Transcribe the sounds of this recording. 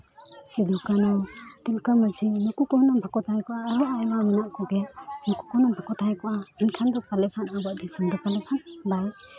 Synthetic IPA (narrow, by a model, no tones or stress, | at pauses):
sid̪ʱukanɔwt̪ilkaməd͡ʒinɔkukɔhnɔmbʱakɔt̪ʰajkɔʔaːbɔʔaɛbamanaʔkɔɡɛnɔkukɔhnɔmbʱakɔt̪ʰajkɔʔainkʰand̪ɔpalɛpʰanabaʔd̪ʱisand̪ɔpalɛpʰanbaj